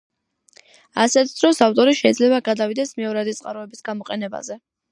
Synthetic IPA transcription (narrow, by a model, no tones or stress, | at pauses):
a̰sɛt̪ʰd̪̥ɾɔsaft̪ʼɔɾiʃɛid̪zlɛbaɡad̪avid̪ɛsmɛɔɾad̪it̪sʼqʼa̰ɾɔɛbisɡamɔqʼɛnɛba̰zɛ